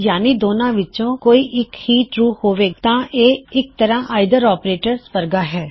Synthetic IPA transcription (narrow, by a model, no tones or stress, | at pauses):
jaːnid̪oːnãːʋɪt͡ʃõːkoːiʔɪkhiːʈɾuːhoːʋeːt̪ãːʔeːɪk̚t̪əɾãʔaːɪd̪əɾɔːpɾeːʈəɾspəɾɡaɦɛː